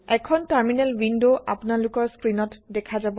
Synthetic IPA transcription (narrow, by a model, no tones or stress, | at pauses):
ɛkʰɔntaɹminalwindoʔapʊnalʊkɔɹskɹinɔtdɛkʰazabɔ